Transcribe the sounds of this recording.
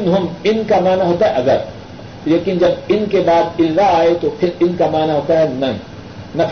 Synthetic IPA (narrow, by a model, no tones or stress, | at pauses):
nɦʊmɪnkamaːnaɦoːt̪aɦɛʔɐɡəɾ | leːkɪnd͡ʒɐb̚ɪnkebaːd̪ɪlzaaːet̪opʰɪɾɪnkamaːnaɦoːt̪aɦɛnɐɦḭ̃ː | nɐpʰ